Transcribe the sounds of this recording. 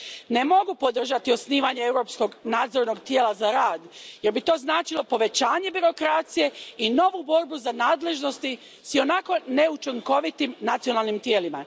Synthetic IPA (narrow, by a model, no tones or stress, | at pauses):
ne̞mo̞ɡupo̞d̪r̩ʒat̪iosniːʋaɲe̞ewɾo̞psko̞ɡnaːd̪zo̞ɾno̞ɡt̪jeːlazaɾaːd̪jeɾbit̪o̞ːznaːt͡ʃilo̞po̞ʋe̞t͡ɕaːɲe̞biɾo̞kɾat̪sije̞ino̞ʋubo̞ɾbuzanaːd̪le̞ʒno̞st̪i | sio̞nako̞ne̞ut͡ʃiŋko̞ʋit̪imnat̪sio̞naːlˠnimt̪jeːlima